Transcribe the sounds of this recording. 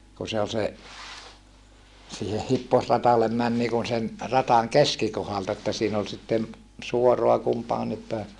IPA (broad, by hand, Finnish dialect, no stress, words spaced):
ku se ol se siːhe hipːosrɑtɑlːem mæn niːkun sen rɑtɑŋ keskikohɑltɑ etːæ siːn ol sitːen suoroɑ kumpɑːnip pæˑe